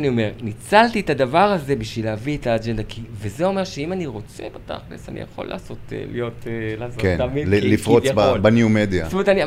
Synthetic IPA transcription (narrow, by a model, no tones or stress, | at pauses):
nio̞me̞ʁnit͡salt̪itad̪avaʁhaze̞biʃvilaviet̪aːd͡ʒend̪akʰivezeo̞me̞ʁʃeimaniʁo̞t͡se̞̰bata̰χnesa̰nḭja̰χo̞̰lːa̰ːso̞tḛlḭjo̞telaːsokenamilifʁobabanjumed̪ijastomtani